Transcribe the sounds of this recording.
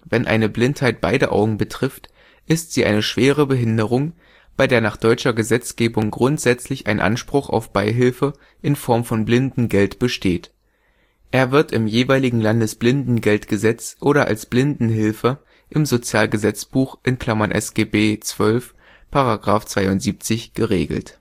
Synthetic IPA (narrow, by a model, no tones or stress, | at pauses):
vɛnʔa̰ɪnəblɪnthaɪt̚b̥a̰ɪɾəʔa̰ʊɡŋ̩bətʁ̥ɪft | ʔɪstz̥iːʔa̰ɪnəʃv̥eːʁ̞əbəɦɪndəʁ̞ʊŋ | b̥aɪdeːɐnaːχd̥ɔʏt͡ʃɐɡəzɛt͡sɡ̥eːbʊŋɡʁʊntz̥ɛt͡slɪçʔa̰ɪnʔa̰nʃpʁ̥ʊχa̰ʊfb̥aɪɦɪlfə | ʔɪnfɔɐmfɔnblɪndn̩ɡɛltb̥əʃteːt | ʔeːɐvɪɐtɪmjeːvaɪlɪɡŋ̩landəsb̥lɪndn̩ɡɛltɡ̥əzɛt͡sʔoːɾɐʔa̰lsb̥lɪndn̩ɦɪlfə | ʔɪmzot͡sjaːlɡəzɛt͡sb̥uːxʔɪnkʰl̥amanʔɛ̰sɡ̥eːbeːt͡sv̥œlf | pʰaʁaɡʁaːft͡sv̥aɪʊntz̥iːp̚t͡sɪçɡ̥əʁeːɡl̩t